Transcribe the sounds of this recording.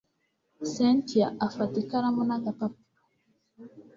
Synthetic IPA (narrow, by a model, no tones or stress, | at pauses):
sentjaʔafatikaɾamunaɡapap̚